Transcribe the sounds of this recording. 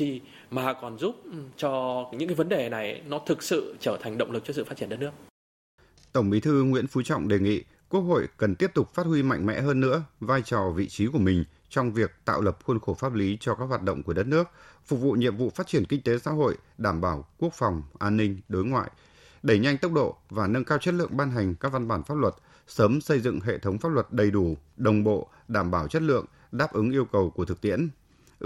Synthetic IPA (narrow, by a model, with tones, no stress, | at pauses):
t̪ʰi˨˩ | maː˨˩kɔ˨˩nzu˦˥p̚t͡ɕɔ˧ɲɨ̰˧˥ŋkːa˨˦və˨˦nɗe˨˩na˨˩jnɔ˨˦t̪ʰɨ˨˩k̚sɨ̰˧˨t͡ɕəː˧˩t̪ʰa˨˩ŋ̟ɗə̰˧˨wŋ͡mlɨ˨˩k̚t͡ɕɔ˧sɨ̰˧˨fa˦˥t̚t͡ɕi˧˩ə˨ɗt̚nɨ˦˥ək̚ | t̪ə˧˩wŋ͡mɓi˨˦t̪ʰɨ˧ŋwḭ˧˥ənfu˨˦t͡ɕɔ̰˧˨wŋ͡mɗe˨˩ŋḭ˧˨ | ku˦˥ək̚ho̰˧˨jkə˨˩nt̪i˦˥əp̚t̪ʊ˨˩k͡p̚faː˦˥t̚hwi˧ma̰˧˨jŋ̟mɛ̰˧˥ɦəː˧nːɨ̰˧˥əvaː˧jt͡ɕɔ˨˩vḭ˧˨t͡ɕi˨˦ku˧˩əmï˨˩ŋ̟ | t͡ɕɔ˧wŋ͡mvi˨˩ək̚t̪a̰ː˧˨wlə˨˩p̚xwə˧nxo˧˩faː˦˥p̚li˨˦t͡ɕɔ˧kaː˦˥k̚waː˨˩t̚ɗə̰˧˨wŋ͡mku˧˩əɗə˦˥t̚nɨ˦˥ək̚fʊ˨˩k̚vṵ˧˨ɲḭ˧˨əmvṵ˧˨faː˦˥t̚t͡ɕi˧˩ənkï˧ŋ̟t̪e˨˦sa̰ː˧˥ɦo̰˧˨jɗaː˧˩mɓaː˧˩wku˦˥ək̚fɔ˨˩wŋ͡mʔaː˧nːï˧ŋ̟ɗo˨˦jŋwa̰ː˧˨j | ɗe˧˩ɲa˧jŋ̟t̪ə˦˥wk͡p̚ɗo̰˧˨vaː˨˩nə˧nkaː˧wt͡ɕə˦˥t̚lɨ̰˧˨əŋɓaː˧nɦa˨˩jŋ̟kaː˦˥k̚va˧nɓaː˧˩nfaː˦˥p̚lə˨˩t̚ | səː˨˦msə˧jzɨ̰˧˨ŋɦḛ˧˨t̪ʰə˨˦wŋ͡mfaː˦˥p̚lwə˨˩t̚ɗə˨˩jɗu˧˩ɗə˨˩wŋ͡mɓo̰˧˨ | ɗaː˧˩mɓaː˧˩wt͡ɕə˦˥t̚lɨ̰˧˨əŋ | ɗaː˦˥p̚ʔɨ˨˦ŋʔi˧əwkə˨˩wku˧˩ət̪ʰk̚t̪i˧˥ən